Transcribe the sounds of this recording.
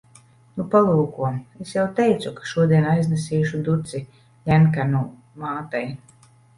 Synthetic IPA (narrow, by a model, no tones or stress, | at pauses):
nupalˠuːkuɔmesjawt̪ɛjt̪sukḁʃuɔd̪iɛnajznesiːʃud̪ut̪si | lʲɛnkanu | maːt̪aj